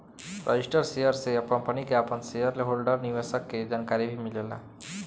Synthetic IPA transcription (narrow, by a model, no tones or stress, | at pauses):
pɾə̰d͡ʒisʈəɾsejəɾseəpə̃pəñikeapənsejəɾleɦolɖəɾniʋesəkːed͡ʒaːnkaɾibʱimilela̰